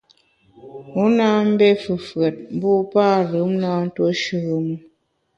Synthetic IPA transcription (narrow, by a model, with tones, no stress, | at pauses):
u˨˦na˦m̩˦bɛ˦fɨ˨fɰə˨t̚m̩˦bu˦paː˦˨ɾɯ˨˦mnaː˦n̩˦two˦ʃɨ˨ɣə˨mu˦